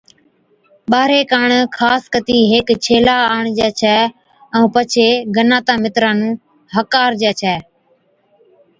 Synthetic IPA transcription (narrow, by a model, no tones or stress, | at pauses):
ɓaːɾeːkaːɳkʰaːskət̪iːɦeːkt͡ʃʰeːlaːaːɳd͡ʒɛːt͡ʃʰɛː | ũːpət͡ʃʰeːɡənaːt̪aːmɪt̪ɾãːnũː | ɦəkaːɾd͡ʒɛːt͡ʃʰɛː